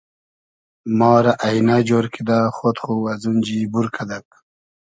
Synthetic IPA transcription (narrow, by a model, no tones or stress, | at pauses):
mɑːɾaʔainad͡ʒoːɾkʰid̪axot̪χuwazund͡ʑibuɾkʰad̪ak̚